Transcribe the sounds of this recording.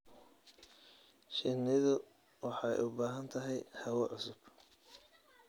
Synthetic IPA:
ʃɪnɪðʊ | wɑħɑ̰jʔʊbaːɦɐnt̪ʰɐɦɛjhɐwɐʕʊsʊb̥

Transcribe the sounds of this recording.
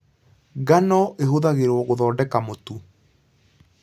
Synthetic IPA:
ɡanɔʔeɦoðaɣeɾwɔɣoðɔːndɛkamotu

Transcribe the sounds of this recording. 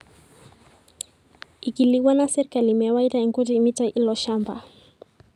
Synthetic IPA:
ikiliwanasɛɾikalimɛawaitaiŋkutimitaʔilɔʃamba̰

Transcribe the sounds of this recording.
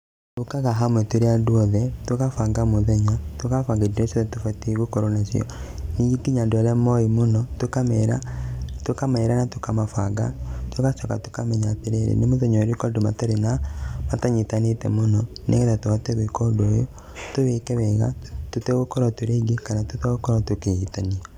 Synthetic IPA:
tokaɣaɦamwɛtoɾeadwɔðɛtokafaŋɡamoðɛɲatokafaŋɡediɾɛsoðɛtofɛteɣokɔɾonasḭɔ̰niɡikiɲandoaɾɛmɔimonɔtokamɛɾatokamaeɾanatokamafaɡa̰tokasɔka̰to̥kamɛɲateɾeɾḛnemoðɛɲɔɾikɔndoma̰taɾenamataɲetanetɛ̰monɔnḛɣɛtatowatɛɣwikodojo | toβekɛβɛɣa̰totɛɣokɔɾwatoɾeɡikanatutɛɣokɔɾatokeitania

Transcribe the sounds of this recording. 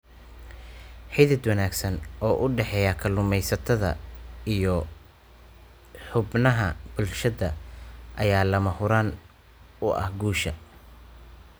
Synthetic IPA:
ħɪðɪd̪wɐnaːɡsɐnɔːʔʊɖɛħɛːjɐkʰɐlʊmɛjsɐt̪ʰɐðɐ̰ijɔ | ħʊbnɐɦɐb̥ʊlʃɐðɐʔɐjaːlɐmɐhʊɾaːn | ʊʔɐ̰hɡuːʃɐ̰

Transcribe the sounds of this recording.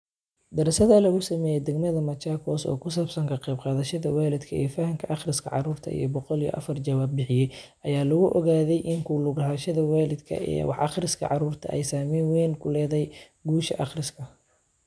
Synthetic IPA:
d̪ɐɾɛsɐðɐlɐɣʊsɐmɛːjɛd̪ɛɡmɐðɐmɐt͡ʃaːkʰɔːsɔ̰ːkʰʊs̬aːbsɐŋkʰɐqɛjbqɑːðɐʃɐðɐwaːlɪd̪kʰɐʔɛ̰ːfɐhɐmkʰɐʔɑχrɪskʰɐ̰ʕɑ̰ɾuːrt̪ʰɐ̰ḭjɞbɔqɔlijɔ̰ʔɐ̰fɐrt͡ʃɐwaːb̚ːɪħɪjɛjʔɐjaːlɐɣʊʔɔɣaːðɛjʔɪŋkʰʊlʊɣɐɦɐːʃɐðɐwaːlɪd̪kʰɐ̰ʔɛ̰ːwɑ̰ħʔɑ̰χrɪskʰɐ̰ʕɑɾuːrt̪ʰɐ̰ʔɛ̰jsaːmɛːnwɛːnkʰʊlɛːðɛj | ɡuːʃɐʔɑχrɪskʰɐ

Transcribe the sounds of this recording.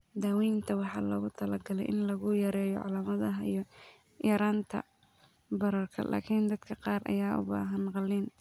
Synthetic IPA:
d̪aːwiːnt̪ʰɐwɑħɑːlɔːɣʊt̪ʰɐlɐɡɐlɛ̰jʔɪnlɐɣʊjɐɾɛːjɔ̰ʕɑ̰laːmɐðɐɦɐḭjɔ | jɐɾaːnt̪ʰɐ̰ | bɐɾɐrkʰɐ̰lʔa̰ːkʰind̪ɐd̪kʰɐqɑːrɐ̰jaːʔʊ̰ba̰ːɦɐnqɑlːiːn

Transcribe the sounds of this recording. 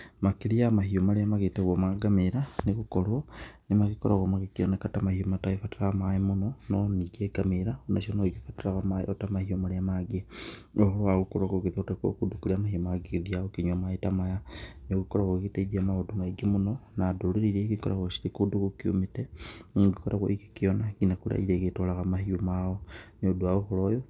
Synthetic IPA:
makilijamahiomalijamaɣitaɣomaɡamiɾanikukolonimakikoɾaɣomaɣikionekatamahiomataifatiɾamaimunononiɡeɡamiɾaunaʃonoɡifatiɾaɣamaotamahiomaliamaɡioxoaɣukuɾokokiðutako̰kudukuliamahiumaɡiðiaokiɲomaitamajaniokikoɾaɣokitaidamaodumaiɡimunonaduliɾiɾekikoɾa̰ɣwoʃi̥tikudukukiṵmiteɡikoɾaɣwo̰ikikijonakinakula̰iɾeketolaɣamahiumaonoduaoxulojo

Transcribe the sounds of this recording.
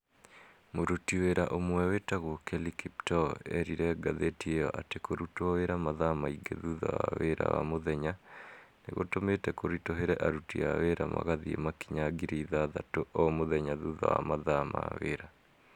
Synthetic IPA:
moɾutiweɾaʔomwɛwetaɣokɛlikip̚tɔɛɾiɾɛɡaðetiejɔʔatekoɾutoɔweɾamaðamaiɡeðuðawa̰weɾa̰wa̰moðɛɲanḛɣo̰tometɛkoɾitoɦeɾɛʔaɾutiaweɾa̰ma̰ɣaðiemakiɲaɡiɾiiðaðatoʔɔmoðɛɲaðuða̰wamaðama̰weɾa

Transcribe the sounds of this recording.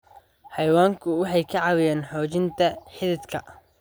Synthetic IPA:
ħɑjwaːŋkʰʊwɑħɑjkʰɐʕɑwɪjɛːnħɔːt͡ʃɪnt̪ʰɐħɪðɪd̪kʰɐ

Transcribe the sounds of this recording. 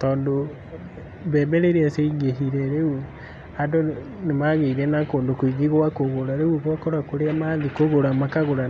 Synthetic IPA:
tɔːndo | mbɛːbɛɾeɾeaseiŋɡeɦiɾɛɾeu | ado | nemaɣeiɾɛnakoːndokwiɣiɣwakoɣoɾaɾeuɣwɔkɔɾakoɾeamaðikoɣoɾamakaɣoɾa

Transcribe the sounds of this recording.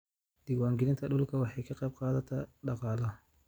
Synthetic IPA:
d̪̥ɪɡwaːŋɡɪlɪnt̪ʰɐɗʊlkʰɐwɑħɑjkʰɑqɑjb̚qɑːðɐt̪ʰɐɖɑqɑːlɐ

